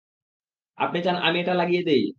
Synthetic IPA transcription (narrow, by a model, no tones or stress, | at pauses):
a̰pnet͡ɕanʔa̰mieʈalaɡijed̪ej